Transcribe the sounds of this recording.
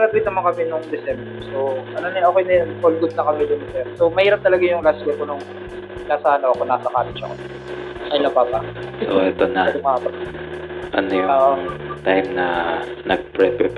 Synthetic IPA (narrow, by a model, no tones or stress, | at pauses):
ɾɐd̪ʊɪt̪nɐmɐnkɐmɛnʊŋd̪ɛsɛmbɛsoʔɐnonɛʔokejnɛpolɡʊd̪̚nɐkɐmɪj̪ʊŋd̪ɛsɛsomɐhiːɾɐp̚t̪ɐlɐɡajʊŋlasɡɛkonʊŋ | naːsahɐnoʔɐkonaːsɐkaːlɪt͡ʃɐ̰ko̰ | ʔɐjnɐbabaoʔɛt̪onɐɐd̪ʊmaːpɐt̪ | ʔɐnojʊoːʔoŋt̪ajmnɐnɐɡ̚pɾɛpɛp